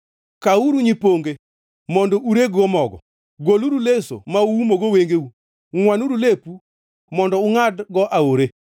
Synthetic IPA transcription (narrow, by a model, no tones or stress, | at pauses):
kauɾuɲipoŋɡe | mɔndɔʔuɾeɡɔmɔɡɔ̰ | ɡoluɾuleso̰maumoɡoweŋɡeu | ŋwanuɾulepu | mɔndɔuŋadɡɔʔaoɾe